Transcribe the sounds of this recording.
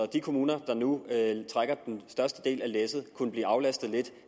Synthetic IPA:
d̥ikʰo̝muːnɐd̥ɑ̈nut͡sʰʁaɡ̥ɐd̥ensd̥ɶɐsd̥əd̥e̝̰ːlæleːsð̩ˠkʰunəb̥lḭːɑ̈ʊlæsd̥ð̞̩ˠle̝d̥

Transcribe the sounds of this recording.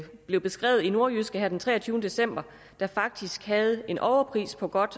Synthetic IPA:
b̥le̝ʊb̥e̝sɡ̥ʁɛ̰ːʊð̩ˠino̝ɐysɡ̥əhæɐd̥ent͡sʰʁɛ̰ːɐt͡sʰyːʊnəd̥e̝sem̰b̥ɐ | d̥æ̈fɑ̈ɡ̥̚d̥isɡ̥hɛð̞̩ˠe̝nʔɒʊɐpʰʁḭːspʰɒ̽ɡ̥ɒ̽d̥

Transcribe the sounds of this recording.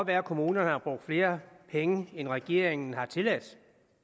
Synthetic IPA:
ɒʋæːɐkʰo̝muːnɐnhɑ̈b̥ʁɔɡ̥̚d̥fle̝ːɐpʰeŋəenʁɛɡ̥e̝̰ɐ̰eŋn̩hɑ̈t͡sʰe̝læd̥

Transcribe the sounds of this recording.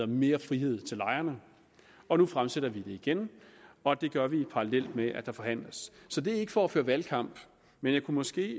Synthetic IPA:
ɐme̝ːɐfʁiɦe̝ð̰ˠt͡sʰe̝lɑ̈ɪɐnə | ɒ̽nufʁamseɾ̥ɐʋid̥e̝iɡ̥enɒ̽d̥e̝ɡ̥ɶɐʋipʰɑ̈ɑlel̰d̥meʔæd̥ɑ̈fɒ̽ɦæn̰ləsːɒ̽d̥e̝æɐe̝ɡ̥əfɒɒfø̰ːɐʋælkʰɑ̈m̰b̥ | menjɑ̈ɪkʰumɒ̽sɡ̥e̝̰ː

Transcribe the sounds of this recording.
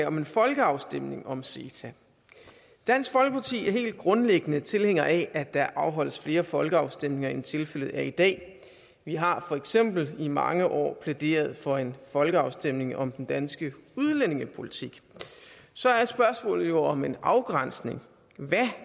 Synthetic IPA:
ɒ̽me̝nfɒ̽lɡ̥əɑ̈ʊsd̥em̰ne̝ŋɒ̽mse̝̰ːt͡sʰæ | d̥æn̰sɡ̥fɒ̽lɡ̥əpʰɑ̈t͡sʰḭːæɐɦe̝̰ːld̥̚ɡ̥ʁɔ̽nleɡ̥ənət͡sʰe̝lheŋ̰ɐʔæʔæd̥æʔɑ̈ʊɦɒ̽l̰əsfle̝ːɐfɒ̽lɡ̥əɑ̈ʊsd̥em̰ne̝ŋɐent͡sʰe̝lfel̰ð̩ˠæɐid̥ɛ̰ː | ʋiɦɑ̈fɒ̽eɡ̥sem̰b̥l̩imɑ̈ŋəʔɒ̰ːpʰled̥e̝̰ːɐð̞̩ˠfɒ̽e̝nfɒ̽lɡ̥əɑ̈ʊsd̥em̰ne̝ŋɒ̽md̥end̥ænsɡ̥əuð̞ˠlene̝ŋəpʰo̝lit͡sʰiɡ̥ | sɒ̽æɐe̥sb̥ɶɐsmɔ̰̽ːl̩jo̝ɒ̽me̝nɑ̈ʊɡ̥ʁɑn̰sne̝ŋ | ʋæ

